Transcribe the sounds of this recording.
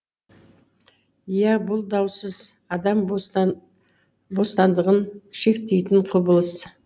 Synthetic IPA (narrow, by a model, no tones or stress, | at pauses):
jæbʊlˠd̪ɑwsəz | ɑd̪ɑm | bo̞st̪ɑnd̪əʁənʃe̞k̚t̪e̞jt̪ɪɴqʰʊbəlˠəs